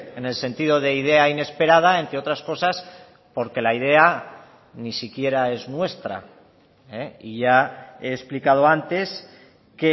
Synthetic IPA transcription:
ene̞lse̞nt̪iðo̞ð̞e̞ið̞e̞aine̞spe̞ɾað̞ae̞nt̪ɾeot̪ɾasko̞sas | po̞ɾke̞laið̞e̞a | nisikje̞ɾae̞znwe̞st̪ɾa̰ | eiʝae̞ːsplikað̞o̞ant̪e̞s | ke

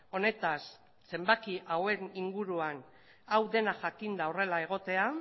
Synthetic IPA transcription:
o̞ne̞t̪asː | e̞mbakiʔawe̞niŋɡuɾuan | awðe̞naʝakind̪aore̞lae̞ɣ̞o̞t̪e̞a

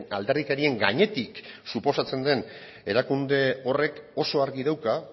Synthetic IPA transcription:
a̰ld̪e̞rðikeɾie̞ŋɡa̰ɲe̞t̪iksupo̞sat͡se̞nd̪e̞n | e̞ɾakund̪e̞o̞re̞ko̞so̞aɾɣiðawka

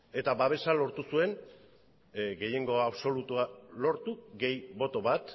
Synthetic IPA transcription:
e̞t̪aβaβ̞e̞salo̞ɾt̪usue̞n | ɡe̞je̞ŋɡo̞aβso̞lut̪ualo̞ɾt̪uɡe̞jβo̞t̪o̞βat̪

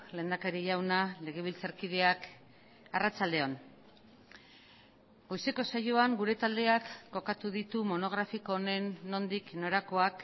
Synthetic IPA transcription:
le̞ːnd̪akaɾiʝawnale̞ɣ̞e̞β̞ilt͡saɾkið̞e̞ak | arat͡sald̪e̞on | ɡo̞jse̞ko̞sajo̞aŋɡuɾe̞t̪ald̪e̞akːo̞kat̪uðit̪umo̞no̞ɣ̞ɾafiko̞ːne̞nːo̞nd̪ikno̞ɾako̞ak

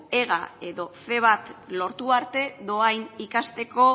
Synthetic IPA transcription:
e̞ɣ̞a̰e̞ðo̞se̞β̞at̪lo̞ɾt̪uaɾt̪e̞ðo̞ajnikast̪e̞ko̞

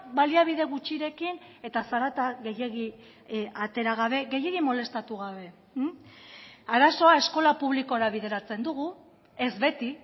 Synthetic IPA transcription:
baliaβ̞iðe̞ɣut͡ʃiɾe̞kin | e̞t̪asaɾat̪aɣe̞je̞ɣi | at̪e̞ɾaɣ̞aβ̞e̞ɣe̞je̞ɣimo̞le̞st̪at̪uɣ̞aβe̞ | aɾaso̞ae̞sko̞lapuβ̞liko̞ɾaβ̞ið̞e̞ɾat͡se̞nd̪uɣu | e̞zβe̞t̪i

